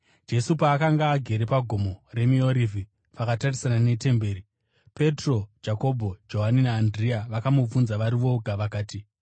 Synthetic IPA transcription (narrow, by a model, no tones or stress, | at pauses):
d͡ʒe̞supaːkaŋɡaːɡʱe̞ɾe̞paɡʱo̞more̞mio̞ɾivʱi | pakatarisanane̞te̞mbe̞ːɾi | pe̞tro̞d͡ʒako̞bʱo̞d͡ʒo̞ɦaninaːndriaʋakamub͡vunzaʋaɾiʋo̞ɡʱaʋakaːti